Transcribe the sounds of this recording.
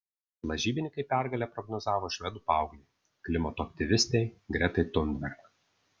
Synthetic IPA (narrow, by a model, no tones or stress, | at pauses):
lˠɐʒʲiːbʲɪnʲɪkɐɪpʲæɾɡɐlʲɛpɾɔɡnɔzɑːʋoːʃʲʋʲɛd̪uːpɑˑʊɡlʲɛ | klʲɪmɐt̪oɐk̚ʲt̪ʲɪʋʲɪsʲt̪ʲɛɪɡɾʲɛt̪ɐɪt̪ʊnʲd̪ʲbʲɛɾk